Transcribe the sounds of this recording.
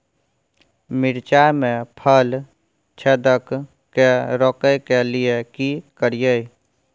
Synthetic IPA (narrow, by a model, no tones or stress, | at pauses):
miɾt͡ʃamepʰəl | t͡ʃʰed̪ək | kːeɾɔkəjkelijekikəɾijəj